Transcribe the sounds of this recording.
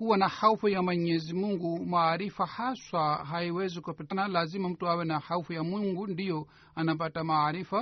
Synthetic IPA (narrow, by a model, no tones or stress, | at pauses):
kuwanahaufujamwɛɲɛzimuŋɡumaːɾifahaswaɦaiwɛzikupitanalazimam̩tuawɛnahaufujamwiŋɡundijɔ | anap̬atamaːɾifa